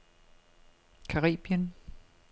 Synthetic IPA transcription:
kʰɑʁḭːb̥jən

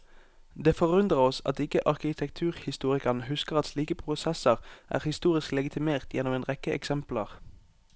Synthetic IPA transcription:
d̪eːfɔʁʉnd̪ʁəʁɔsɑ̰t̪ɪkəʔɑʁkɪt̪ʰɛkt̪ʰʉːʁhɪst̪uːʁɪkɑnəhʉskəʁɑt̪sliːkəpʰʁʊsɛsəʁʔæ̰ːʁhɪst̪uːʁɪsklɛɡɪt̪ʰɪmeːʁt̪ʰjɛnɔmeːnʁɛkəʔɛ̰ksɛmpləʁ

